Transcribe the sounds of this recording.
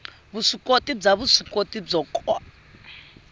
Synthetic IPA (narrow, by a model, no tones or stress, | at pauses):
βuʂikʼotʼib͡ʐaβuʂikʼotʼib͡ʐɔkʼa